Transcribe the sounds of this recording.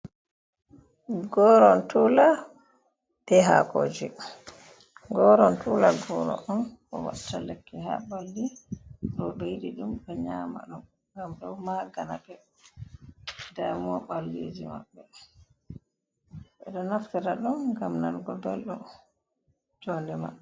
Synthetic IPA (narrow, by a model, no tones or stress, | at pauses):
ɡɔɾɔntula | bɛɦakoːd͡ʒi | ɡɔɾɔntulaɡɔɾɔ̰ʔɔnʔɔ̰wa̰ɗtːalɛkːɛɦa̰balːiɗɔbejdiɗumɗɛɲaːma̰ɗum | ŋɡamɗɔwmaɡanabɛ | damɔɓalːḭd͡ʒima̰ɓːɛ | ɓɛɗɔnaftiɾaɗumɡamnanɡɔbɛlɗun | d͡ʒɔndɛmaɛ